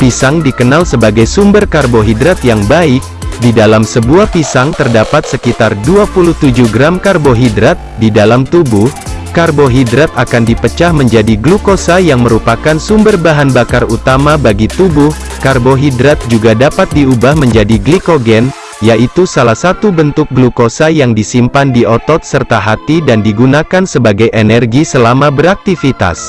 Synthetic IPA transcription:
pisaŋdikənalsəbaɡajsumbərkarboɦidɾat̪jaŋbaɪk̚didalamsəbuahpisaŋt̪ərdapat̪̚səkit̪arduapuluht̪ud͡ʒuhɡɾamkarboɦidɾat̪̚didalamt̪ubuhkarboɦidɾat̪akandipət͡ʃahməɲd͡ʒadiɡlukosajaŋməɾupakansumbərbaɦanbakarut̪amabaɡit̪ubʊh | karboɦidɾat̪̚d͡ʒuɡadapat̪̚diubahməɲd͡ʒadiɡlikoɡɛn | jaʔit̪usalahsat̪ubənt̪ʊk̚ɡlukosajaŋdisimpandiɔt̪ɔt̪̚sərt̪aɦat̪idandiɡunakansəbaɡajʔenɛrɡisəlamabəɾak̚t̪ifit̪a̰s

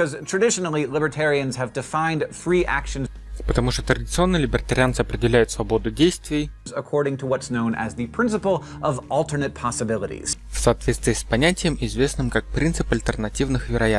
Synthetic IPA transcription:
ʌz̥tʰɹ̥ɨdɪʃənl̩ˠilɪbə˞tʰɛɹiɨ̃nz̥ɨvdɨfãɪ̃ndfɹiʔækʃɨ̃n | pət̪ɐmuʂt̪ot̪ɾədʲɪt̪sɨo̞nːɨjlʲɪbʲɪrət̪ɐɾʲɪant̪sɨɐpɾʲɪdʲɪlʲæjʊt̪svɐbo̞d̪ʊdʲejst̪vʲɪjzəkʰɔɹɾɪ̃ŋtʰəwʌtsnõʊ̃nɨ̰zðipʰɹ̥ɪ̃nsəpl̩ˠ | ʔʌvɔlˠtə˞nɨt̚pʰɑsəbɪlˠəɾḭz̥fsɐːt̪vʲet̪st̪vʲɪːspɐnʲætʲɪjəmɪzvʲe̞snɨmkak̚pɾʲint̪sɨpɐlʲt̪ʲərnɐtʲivnɨxvʲɪɾɐja

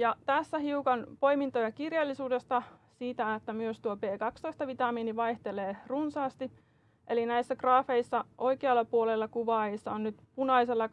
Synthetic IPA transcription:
jɑt̪æsːæɦiukɑnpo̞jmint̪ojɑkirjɑlːisuːde̞st̪ɑsiːt̪æet̪ːæmyøst̪uope̞ːkɑkst̪oist̪ɑʋit̪ɑmiːniʋɑjht̪eleːrunsɑːst̪i | ʔe̞linæisːækrɑːfe̞isːɑʔo̞jkeɑlːɑpuolelːɑkuʋɑːjesːɑonnyt̪punɑiselːɑ

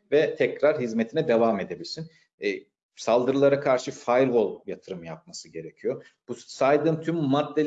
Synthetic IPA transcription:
vɛt̪ʰɛcɾaɾɦizmet̪ʰinɛd̪evaːme̞d̪e̞bilʲsin | salˠd̪ɯɾɯlˠaɾakʰaɾʃɯfajɾvolˠjat̪ʰɯɾɯmjap̚masɯɟe̞ɾecʰijo̞ | b̥usajd̪ɯːmt̪ʰymːat̪̚d̪e

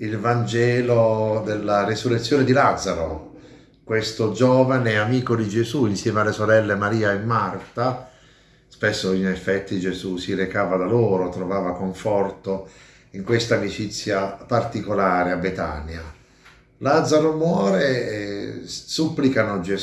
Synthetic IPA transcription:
ilvand͡ʒɛːlod̪elːarisurːet̪sːjoːned̪ilad̪zːaɾo | kwest̪od͡ʒɔːvaneamiːkod̪id͡ʒezuinsjɛːmealːesoɾɛlːemaɾiːaemːart̪a | spesːoinefːɛt̪ːid͡ʒezusiɾekaːvad̪aloːɾot̪ɾovaːvakoɱfɔrt̪o | iŋkwest̪aːmit͡ʃit̪sːjapart̪ikolaːɾeabet̪a̰nja | lad̪zːaɾomwɔːɾe | supːlikanod͡ʒe

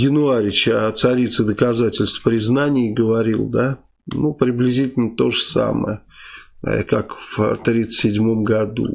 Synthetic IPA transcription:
jɪnʊaɾʲɪt͡ɕɐt̪sɐɾʲit̪sɨd̪əkɐzatʲɪlʲst̪fpɾʲɪznanʲɪjɡəvɐɾʲilˠd̪a | nupɾʲɪblʲɪzʲitʲɪlʲnət̪o̞ʐəsa̰mə̰jə̰ | kakvt̪ɾʲit̪sə̥sʲɪdʲmomɡɐd̪ṵ

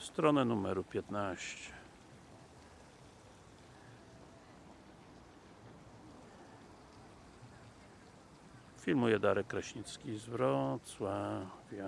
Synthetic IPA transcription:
st̪ɾɔnɛnumɛɾupʲjɛt̪naɕt͡ɕɛ̥ | fʲilmujɛd̪aɾɛkkːɾaɕɲit̪skʲizvɾɔt̪swavʲja

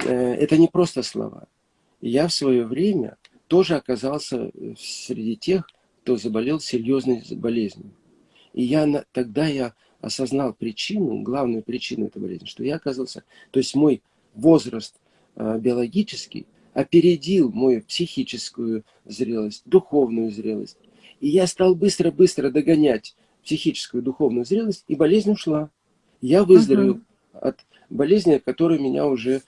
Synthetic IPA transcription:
ɛ̰t̪ənʲɪpɾo̞st̪əslˠɐ̰va̰ | jafsvɐjo̞vɾʲemʲə̰ | t̪o̞ʐɨɐkɐzalˠsʲə̰sʲɾʲɪdʲitʲe̞x | kt̪ozəbɐlʲe̞lˠsʲɪɾʲjo̞znəjbɐlʲezʲnʲʊ | ijant̪ɐɡ̚d̪aja | ɐ̰sɐznalˠpɾʲɪt͡ɕinʊ̰ɡlˠavnʊjʊpɾʲɪt͡ɕinʊɛ̰t̪əjbɐ̰lʲezʲnʲɪʂt̪o̞jaɐkazalˠsʲə | t̪o̞ɪsʲtʲmo̞j | vo̞zrəst̪ | bʲɪɐlˠɐɡʲit͡ɕɪ̥skʲɪ̰j | ɐpʲɪɾʲɪdʲilˠmojupsʲɪxʲit͡ɕɪskʊjʊ | zɾʲe̞lˠəsʲt̚ʲd̪ʊxo̞vnʊjʊzɾʲe̞lˠə̰sʲt̚ʲ | ɪjast̪alˠbɨst̪ɾəbɨst̪ɾəd̪əɡɐnʲætʲ | psʲɪxʲit͡ɕɪ̥skʊjʊd̪ʊxo̞vnʊjʊzɾʲe̞lˠəsʲtʲibɐlʲezʲnʲʊʂlˠa | javɨzd̪ɾəvʲɪlˠ | ɐ̰t̪ | bɐlʲezʲnʲɪkɐt̪o̞ɾɨjmʲɪnʲʔa̰ʊʐɛ

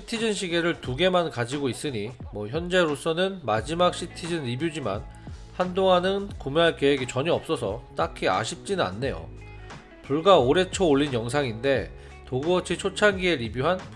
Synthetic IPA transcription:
ɕʰitʰid͡ʑʌnɕʰiɡe̞ɾɯɭtuɡe̞mankad͡ʑiɡois͈ɯɲimwʌçjʌnd͡ʑe̞ɾos͈ʌnɯnmad͡ʑimak̚ɕ͈ʰitʰid͡ʑʌnɾibjud͡ʑima̰nhandoŋanɯnkumeɦaɭkeweɡit͡ɕʌɲiʌp̚s͈ʌsʰʌt͈akʰia̰ɕʰip̚t͡ɕ͈inɯna̰nːe̞jo̰ | puɭɡaoɾe̞t͡ɕʰooɭːinjʌŋs̬ʰaŋinde̞ | toɡuʌt͡ɕʰit͡ɕʰot͡ɕʰanɡie̞ɾibjuɦan

